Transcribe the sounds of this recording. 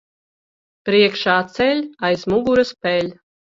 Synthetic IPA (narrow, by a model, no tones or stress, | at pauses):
pɾiɛkʃaːt̪sɛlʲajzmuɡuɾɨspɛlʲ